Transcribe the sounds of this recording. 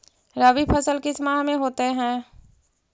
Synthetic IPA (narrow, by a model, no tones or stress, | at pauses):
ɾəʋipʰəsəlkismaɦmẽɦoːt̪eɦɛ̃ː